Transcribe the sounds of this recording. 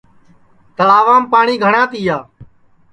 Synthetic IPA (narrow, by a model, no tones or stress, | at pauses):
t̪əlaːʋaːmpaːɳiːɡʱəɳãːt̪iːjaː